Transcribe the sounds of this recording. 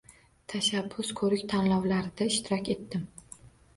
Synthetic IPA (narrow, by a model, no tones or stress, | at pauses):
t̪ʰaʃabːʊskʰɵɾɪkʲt̪ʰanlɒwlaɾɪd̪aɪʃt̪ʰɪɾɒkʲe̞t̪ːɪm